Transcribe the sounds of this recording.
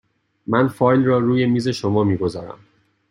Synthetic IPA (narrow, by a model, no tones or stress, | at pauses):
mænfɒːjlrɒːɾuːje̞miːze̞ʃomɒːmiːɡo̞zɒːɾæ̰m